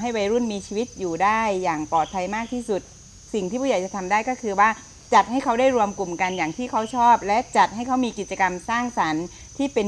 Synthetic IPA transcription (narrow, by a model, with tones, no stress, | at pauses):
ɦa˥˩jwa˧˥jɾu˥˩nmiː˧t͡ɕʰiː˧wi˦˥t̪̚juː˨˩daː˥˩jːaː˨˩ŋpɔː˨˩t̪̚pʰa˧jmaː˥˩k̚t̪ʰiː˥˩su˨˩t̪̚ | si˨˩ŋt̪ʰiː˥˩pʰu˥˩ja˨˩˦jt͡ɕa˨˩t̪ʰa˧mdaː˥˩jkɔː˥˩kʰɯː˧waː˥˩ | t͡ɕa˨˩t̪̚ha˥˩jkʰa˦˥wdaː˥˩jɾu˧əmku˨˩mka˧njaː˨˩ŋt̪ʰiː˥˩kʰa˦˥wt͡ɕʰɔː˥˩p̚lɛ˦˥t͡ɕa˨˩t̪̚ha˥˩jkʰa˦˥wmiː˧ki˨˩t̪̚t͡ɕa˧ka˧msaː˥˩ŋsa˩˦n | t̪ʰiː˥˩pe˧n